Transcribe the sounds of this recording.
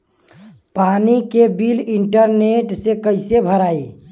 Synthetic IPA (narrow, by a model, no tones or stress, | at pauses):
panikebiliɳʈəɾneʈsekəɪsebʱəɾae